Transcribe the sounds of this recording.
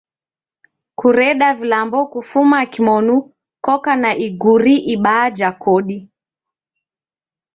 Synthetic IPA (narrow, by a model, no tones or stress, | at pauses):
kuɾɛɗavilambɔkufumakimɔnu | kɔkanaʔiɡuɾiʔiɓaːd͡ʒakɔɗi